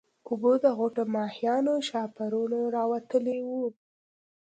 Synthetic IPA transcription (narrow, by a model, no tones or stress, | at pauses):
ʊbod̪əɣoʈomɑhijɑnoʃɑpaɾunoɾɑwat̪əlewu